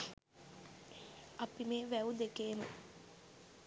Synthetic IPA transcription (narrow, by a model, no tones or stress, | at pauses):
ɐpimeːʋæud̪ekeːmṵ